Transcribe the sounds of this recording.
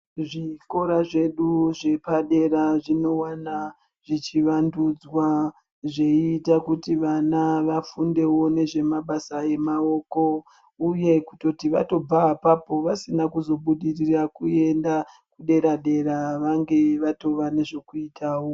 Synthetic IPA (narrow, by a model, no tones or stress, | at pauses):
ʐiko̞ɾaʐe̞ɗuʐe̞paɗe̞ɾaʐino̞wana | ʐ̥it͡ʃiʋandud͡zwa | ʐe̞iːtakutiʋanaʋafunde̞wo̞ne̞ʐe̞maɓasae̞mao̞ko̞ | uje̞kuto̞tiʋa̰to̞b͡vaːpapo̞ʋasinakuzo̞ɓuɗirirakue̞nda | kuɗe̞ɾaɗe̞ɾaʋaŋɡe̞ʋato̞ʋane̞ʐekuitʰaːwo̞